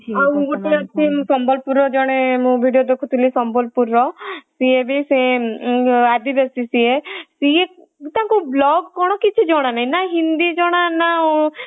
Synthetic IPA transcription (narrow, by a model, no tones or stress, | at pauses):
d͡ʒaũɡoʈeat͡ʃʰĩsɔmbɔlpuɾɔd͡ʒɔɽ̃emũbʱiɖijod̪ekʰut̪ʰilisɔmbɔlpuɾːɔsiebisẽ | ad̪ibjɔsisiesie | t̪ãkublɔɡkɔɽ̃ɔkit͡ʃʰid͡ʒɔɽ̃anaĩnaɦind̪id͡ʒɔɽ̃anau